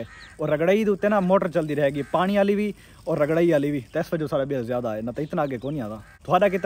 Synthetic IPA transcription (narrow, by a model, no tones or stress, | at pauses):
eːoːɾəɡɽaːiːd̪ũːt̪ɪnãːmoːʈəɾt͡ʃəld̪iːɾəɦeːɡiːpaːɽ̃iːaːliːʋiː | ɔːɾːəɡɽaːiːaːliːʋiːt̪eːɪsbəd͡ʒõːsaːɽaːbɪəlzjaːd̪aːeːnaːt̪ãɪt̪nãːəɡeːkoːniːãːd̪aː | t̪ʰʊaːɖaːk̬ɪt̪